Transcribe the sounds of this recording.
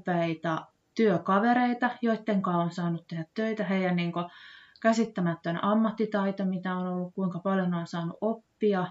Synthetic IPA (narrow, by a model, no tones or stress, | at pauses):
peit̪ɑ | t̪yøkɑʋeɾeit̪ɑjoit̪ːeŋkɑːonsɑːnut̪t̪ehæt̪tøit̪æɦejjænniːŋkokæsit̪ːæmæt̪ːønɑmːɑt̪ːit̪ɑit̪omit̪æonolːukkuiŋkɑpɑljoneonsɑːnṵʔʔopːiɑ